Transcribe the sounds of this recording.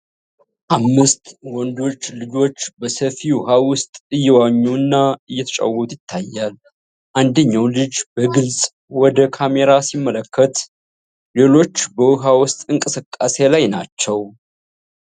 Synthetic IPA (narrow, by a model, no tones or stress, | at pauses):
ʔamːɨst̪wɔnd̪o̞t͡ʃːlɨd͡ʒo̞t͡ʃːbəsəfiwʊhawʊst̪ʼɨjːɛwaɲːuɨnːaɨjːɛt̪ʰət͡ʃʼa̰wːɔt̪jɪt̪ʰːajːal | ʔand̪əɲːawlɨd͡ʒbəɡɨlsʼ | wɔd̪əkʰame̞ɾasimːələkʰːət̪ | le̞lo̞t͡ʃːbəwʊɦawʊst̪ʼɨŋkʼɨsɨkʼːase̞lajnat͡ʃːɛw